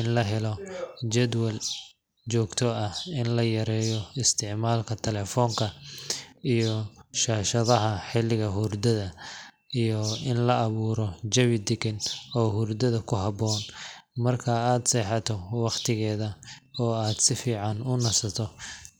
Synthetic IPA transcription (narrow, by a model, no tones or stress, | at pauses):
ɪnlɐɦɛlɔt͡ʃɛd̪wɛl | t͡ʃɔːɡt̪ʰɔɐhɪnlɐjɐɾɛːjɔɪst̪ʰɪʕmaːlkʰɐt̪ʰɛlɛːfɔːŋkʰɐ | ijɔʃaːʃɐðɐɦɐħɪlːɪɣɐɦʊrd̪ɐðɐ | ijɔɪnlɐːβuːɾɔd͡ʒɐβɪd̪ɪɡɪnɔːhurd̪ɐðɐkʰʊɦɑbɔːnmɐrkʰɐaːd̪sɛːħɑt̪ʰɔwɑqt̪ʰɪɣɛːðɐɔːaːd̪sɪfiːʕɑnʊnɐsɐt̪ʰɔ